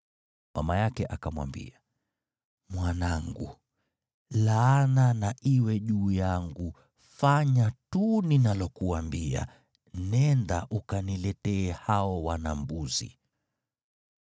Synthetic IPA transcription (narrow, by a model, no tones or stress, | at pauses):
ma̰majakɛʔakamwa̰mbḭa | mwanaŋɡṵ | laːnanaʔiwɛʄuːjaŋɡu | faɲatuninalɔkuwambia̰ | nɛndaʔukanilɛtɛːhaɔwanambuzḭ